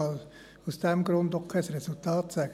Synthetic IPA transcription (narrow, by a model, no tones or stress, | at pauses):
ɑl | usd̥ɛmɡɾʊndoχkʰːɛsɾɛsultɑːtsæɡ